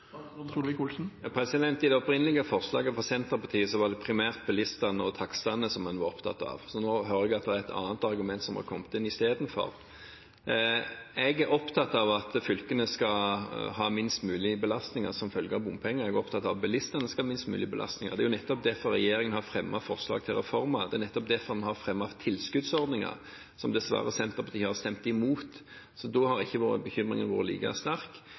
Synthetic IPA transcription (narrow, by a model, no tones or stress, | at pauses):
ʋɪkʊlsn̩pʰɾɛsɪd̪ɛnt̪ɪd̪ɛɔpɾɪnəlɪɡəfɔɾslɑ̰ːɡəfɔsɛnt̪ʁəpɑt̪ʰiːəsɔʋɑd̪ɛpʰɾɪmæːʁt̪̚bɛlɪst̪ɑnəɔt̪ʰɑkst̪ɑnːəsɔmːɛnʋɑɾɔpt̪ʰɑ̰t̪ːɑ̰ʋsɔnoːɦøːɾəɛɡɑt̪d̪ɛɛɾɛt̪ʰɑ̰ːnət̪ɑɾɡʉmɛnt̪sɔmhɑ̰kʰɔmt̪ɪnɪst̪eːd̪nfɔ̰ɾ | ɛɡæɾɔpt̪ʰɑt̪ːɑʋɑt̪fʏlkənəskɑhɑːmɪnst̪mʉːlɪbəlɑst̪nɪŋɑ̰ɾsɔmfœlɡəɑʋbʊmpʰɛŋːəɛɡɔpt̪ʰɑt̪ːɑbɛlɪst̪ənəskɑɑmɪnst̪mʉ̰ːlɪəbəlʔɑ̰st̪nɪŋə̰d̪ɛæɾjʊnɛt̪ːɔp̚d̪ɛfɔɾːɛjeːɾɪŋənhɑfɾɛmːɑfɔʁslɑ̰ːɡ̚t̪ʰɪlʁɛfɔɾmɑd̪ɛæɾnɛt̪ːɔp̚d̪ɛfɔdɛnhɑɾfɾɛmːɑt̪ʰɪlskʉd̪sɔɾd̪nɪŋɑ̰ɾ | sɔmd̪ɛsʋɑ̰ːɾəsɛnt̪əɾpʰɔt̪ʰiːhhɑst̪ɛmt̪ɪmuːt̪ | sɔd̪ɔhɑɾɪçːəʋoːɾə̰bəçʏmɾɪ̰ŋənʋoːɾəlḭːkɑæ̰st̪æɾk